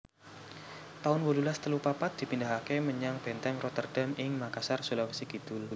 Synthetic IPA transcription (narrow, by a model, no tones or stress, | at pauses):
t̪aʊnwolulast̪əlupapat̪̚d̪̥i̤pindaɦakeməɲaŋb̥ɛnt̪ɛŋrɔt̪ərd̥a̤mɪŋmakasarsulawisiɡ̥id̪̥ʊl